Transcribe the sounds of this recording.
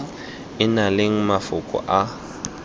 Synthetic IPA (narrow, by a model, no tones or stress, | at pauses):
ɪnaleŋ̩mafʊkʼɔ̰ʔa